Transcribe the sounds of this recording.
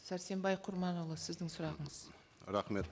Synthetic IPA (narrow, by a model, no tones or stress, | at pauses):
sæɾse̞mbɑjqʰʊɾmɑnolˠəsɪzd̪ɪŋsʊɾɑʁəɴəz̥ | ɾɑχme̞t̪